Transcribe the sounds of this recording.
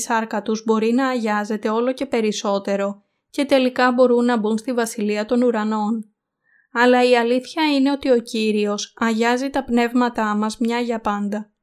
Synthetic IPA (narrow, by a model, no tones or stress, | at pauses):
sɐɾkɐt̪uzbo̞ɾinɐːʝɐze̞t̪e̞o̞lo̞ce̞pe̞ɾiso̞t̪e̞ɾo̞ | ce̞t̪e̞likɐbo̞ɾunːɐbunst̪ivɐsiliɐt̪o̞nuɾɐno̞n | ɐlɐiɐliθçɐine̞o̞t̪io̞ciɾio̞sɐʝɐzit̪ɐpne̞vmɐt̪ɐmɐzmɲɐʝɐpɐnd̪ɐ